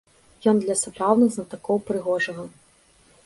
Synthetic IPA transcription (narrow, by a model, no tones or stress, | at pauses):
jɔnd̪lʲɐsapɾawnɨɣznɐt̪akɔwpɾɨɣɔʐɐɣɐ